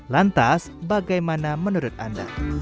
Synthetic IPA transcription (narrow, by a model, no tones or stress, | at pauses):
lant̪as | baɡajmanamənuɾʊt̪̚anda̰